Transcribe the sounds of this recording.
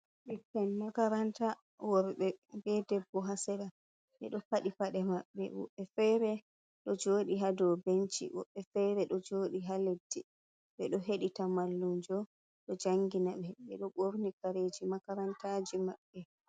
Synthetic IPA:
ɓɛkanmakaɾanta | wɔɾɓɛbɛdɛbːɔɦasɛɾa | ɓɛ̰ɗɔpaɗifaɗɛmaɓːɛ̰wɔ̰ɓːɛfɛɾɛ | ɗɔd͡ʒoːɗiɦadɔwbent͡ʃḭwɔ̰ɓːɛfɛɾɛɗɔd͡ʒoːɗiɦaledːi | ɓɛɗɔɦeɗitamalːumd͡ʒɔ | ɗɔd͡ʒaŋɡinaɓɛɓɛ̰ɗɔɡoɾnikaɾed͡ʒimakaɾantad͡ʒimaɓːɛ

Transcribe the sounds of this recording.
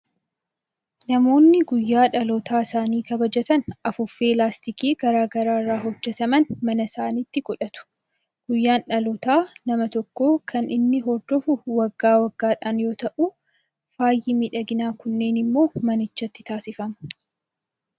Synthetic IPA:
nɐmo̞ːnːɪɡʊjːaːᶑɐlɔt̪aːsaːniːkɐbɐd͡ʒɐt̪ɐnɐfʊfːeːlaːst̪ɪkiːɡɐɾaːɡɐɾaːrːaːɦɔd͡ʒːɛt̪ɐmɐnmɐnɐsaːniːt̪ːɪkʼʊᶑɐt̪ʊ̥ | ɡ̥ʊjːaːnᶑɐlɔt̪aːnɐmɐt̪ɔkːo̞ːkʰɐnʔɪnːɪɦɔɾd̪ɔfʊwɐɡːaːwɐɡːaːᶑaːnjo̞ːt̪ɐʔuː | faːjːɪmɪᶑɐɡɪnaːkʊnːe̞ːnɪmːo̞ːmɐnɪt͡ʃːɐt̪ːɪ̥t̪aːsɪfɐmɐ

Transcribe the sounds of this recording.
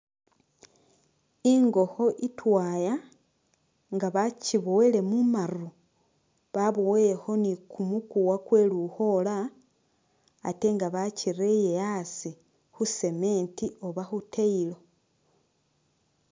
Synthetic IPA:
iŋɡo̞xo̞ʔitwaːja | ŋɡaβaciβo̞wele̞mumaru | βaβowejexo̞nikumukuwakwe̞ːluho̞la | te̞ŋɡaβaciɾe̞je̞asi | xuse̞me̞ːntio̞βaxutʰeilo̞

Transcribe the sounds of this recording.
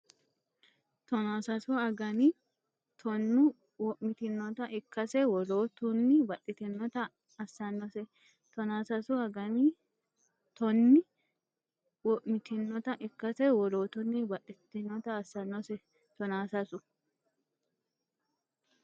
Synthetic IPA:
t̪ɔnaːsɐsʊɐɡɐni | t̪ʰɔnːʊ | wɔʔmɪt̪ɪnːɔt̪ɐʔɪkːɐsɛwɔloːt̪ʊnːɪbɐᶑɪt̪ɪnːɔt̪ɐ | ɐsːɐnːɔsɛ | t̪ɔnaːsɐsʊɐɡɐni | t̪ɔnːɪ | wɔʔmɪt̪ɪnːɔt̪ɐʔɪkːɐsɛwɔloːt̪ʊnːɪbɐᶑʼɪt̪ːɪnːɔt̪ɐːsːɐnːɔsɛ | t̪ɔnaːsɐsʊ

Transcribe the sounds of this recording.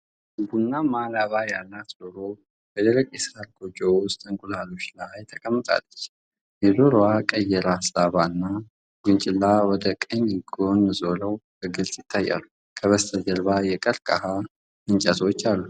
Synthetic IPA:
ɨbunːamalaβajalːat̪d̪oɾo̞ | bəd̪əɾəkʼisɾaɾɡod͡ʒʼowʊst̪ʼɨŋkʼulalo̞t͡ʃlajt̪ʰːəkʼəmːət̪ʼa̰lːət͡ʃː | jɛzoɾoakʼəjɛɾaslaβanːa | ɡunt͡ʃʼɪlːawɔd̪əkʼəɲjɪɡonzo̞ləwbəɡɨlsʼjɪt̪ʰːajːa̰lu | kʰəβəst̪ʰəd̪əɾbajɛkʼəɾkʼaha | ɨnt͡ʃʼət̪wot͡ʃːalːu

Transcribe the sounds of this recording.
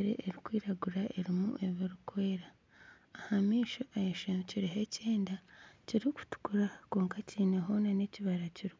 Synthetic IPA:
ɾḛʔeɾikwiːɾaɡuɾaʔe̞ɾimṵʔe̞βiɾukwe̞ːɾaː | hamiːʃoʔajeʃeciɾiɦeceːndaciɾiku̥tu̥kuɾako̞ːŋkaciːneɦo̞nane̞ciβaɾaciɾi

